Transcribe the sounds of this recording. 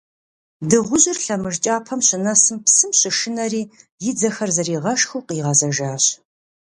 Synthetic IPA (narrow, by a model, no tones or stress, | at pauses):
dɨʁʷʊʑɪrɬɐmɨʐt͡ʃʼaːpʰɐmɕɪnɐsɨmpsɨmɕɪʃɪnɐɾiːjɪd͡zɐxɐrzɐriːʁɐʃxuːqiːʁɐzɐʒaːɕ